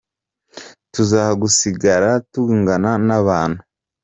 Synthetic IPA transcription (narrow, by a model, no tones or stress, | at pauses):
tuzaːhaɡusiɡaɾatuŋɡananaβaːn̥hu